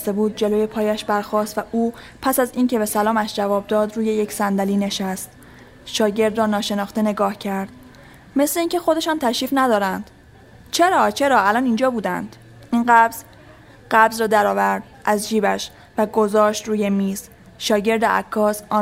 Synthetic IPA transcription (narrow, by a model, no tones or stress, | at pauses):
st̪ebuːd̪̚d͡ʒe̞loje̞pʰɒːjæʃbæɾxɒːst̪væʔuː | pʰæsæziːncʰe̞be̞sælɒːmæʃd͡ʒævɒːb̚d̪ɒːd̪ruːje̞jecʰsænd̪æliːne̞ʃæst̪ | ʃɒːɟe̞ɾd̪rɒːnɒːʃe̞nɒːxt̪e̞ne̞ɡɒːhcʰæɾd̪̥ | me̞sleiːncʰe̞xo̞d̪e̞ʃɒːnt̪ʰæʃiːfnæd̪ɒːɾænd̪̥ | t͡ʃʰe̞ɾɒːt͡ʃʰe̞ɾɒːælɒːnind͡ʒɒːbuːd̪æ̰nd̪̥ | inɢæbz̥ | ɢæbzrɒːd̪æɾɒːvæɾd̪̥ | ʔæzd͡ʒiːbæʃ | væɡo̞zɒːʃt̪ɾuːje̞miːz | ʃɒːɟe̞ɾd̪eʔæ̰kʰːɒːsʔɒ